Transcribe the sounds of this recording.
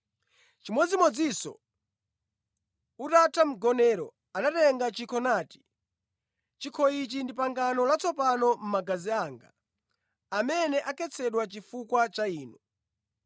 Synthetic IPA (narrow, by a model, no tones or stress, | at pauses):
t͡ʃimɔd͡zimɔd͡zisɔ̰ | utatʰam̩ɡɔnɛɾɔ̰ | anatɛŋɡat͡ʃikʰɔnaːti̥ | t͡ʃikʰɔit͡ʃindipaŋɡanɔlat͡sʰɔpanɔm̩maɡaziaːŋɡa̰ | amɛnɛʔakɛt͡sʰɛɗwat͡ʃifukwat͡ʃaiːnɔ